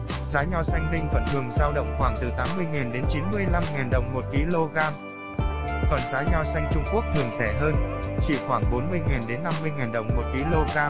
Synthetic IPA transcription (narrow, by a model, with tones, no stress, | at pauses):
zaː˨˦ɲɔ˧˩sa˧jŋlï˧ŋ̟kɔ˨˩nt̪ʰɨ˨˩əŋzaː˧wɗə̰˧˨wŋ͡mxwaː˧˩ŋt̪ɨ˨˩t̪aː˨˦mːɨ˧əjŋaː˨˩nɗe˨˦nt͡ɕi˨˦nmɨ˧əjla˧mŋaː˨˩nɗə˨˩wŋ͡mmo˨˩t̚ki˧lo˧ɣaː˧m | kɔ˨˩nzaː˨˦ɲɔ˧˩sa˧jŋ̟t͡ɕʊ˧ŋ͡mku˦˥ək̚t̪ʰɨ˨˩əŋsɛ˧˩ɦəː˧nt͡ɕḭ˧˩xwaː˧˩ŋɓo˨˦nmɨ˧əjŋaː˨˩nɗe˨˦nːa˧mːɨ˧əjŋaː˨˩nɗə˨˩wŋ͡mmo˨˩t̚ki˧lo˧ɣaː˧